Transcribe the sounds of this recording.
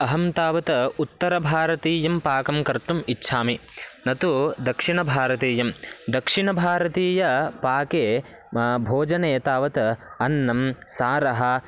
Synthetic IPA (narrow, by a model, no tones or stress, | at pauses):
ɐɦɐmt̪aːʋɐt̪ɐut̪ːɐɾɐbʱaːɾɐt̪iːjɐmpaːkɐmkɐɾt̪umitːʃʰaːminɐt̪ud̪ɐkʂiɳɐbʱaːɾɐt̪eːjɐmd̪ɐkʂiɳɐbʱaːɾɐt̪iːjɐpaːkeː | bʱoːd͡ʒɐneːt̪aːʋɐt̪ɐɐnːɐmsaːɾɐɦɐ̆